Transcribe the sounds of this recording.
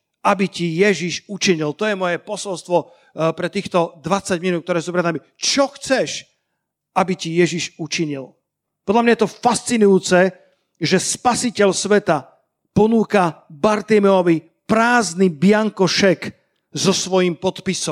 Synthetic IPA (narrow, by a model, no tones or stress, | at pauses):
abicijɛʒiʃut͡ʃiɲilt̪ɔjɛmɔjɛpɔsɔlst̪ʋɔ | pɾɛt̪iːxt̪ɔd̪ʋat͡saɟminut̪̚k̚t̪ɔɾɛːsupɾɛad̪ami | t͡ʃɔxt͡sɛʃ | ʔabicijɛʒiʒut͡ʃiɲil | pɔd̪lamɲajɛt̪ɔfast͡sinujuːt͡sɛ | ʒɛspasicɛʎsʋɛt̪a | pɔnuːkabaɾt̪imɛɔʋi | pɾaːznibɪaŋkɔʃɛk | zɔsʋɔjimpɔt̪pisɔm